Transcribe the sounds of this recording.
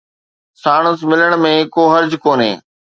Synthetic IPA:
saːɽ̃əsmɪləɽ̃mẽkoːɦɐɾd͡ʑkoːnḛ̃ː

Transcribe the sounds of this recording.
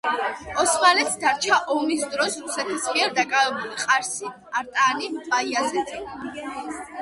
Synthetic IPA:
ɔsmalɛt̪sd̪aɾt͡ʃʰaʔɔmisd̪ɾɔsɾusɛt̪ʰismiɛɾd̪akʼavɛbuliqʼaɾsi | aɾt̪ʼaːnibaiazɛ

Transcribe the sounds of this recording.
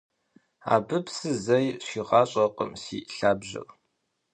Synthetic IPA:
a̰ːbɨpsɨzɐjɕiːʁɑːɕʼɐqʼə̰msḭːɬaːbʑɪ̰r

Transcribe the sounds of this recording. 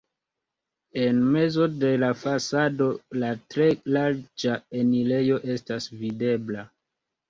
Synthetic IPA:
e̞nme̞zo̞de̞lafasado̞latɾe̞laɾd͡ʒaenile̞jo̞ʔe̞stasvide̞bla

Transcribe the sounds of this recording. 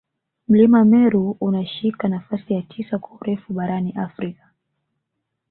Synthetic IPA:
m̩limamɛɾuunaʃikanafasijatʰisakwauɾɛfuɓaɾaniʔafɾikḁ

